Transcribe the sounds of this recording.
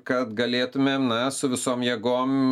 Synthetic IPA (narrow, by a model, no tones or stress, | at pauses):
kɐt̪ɡɐlʲeːt̪ʊmʲeːmnɐsʊʋʲɪsoːmjeːɡoːm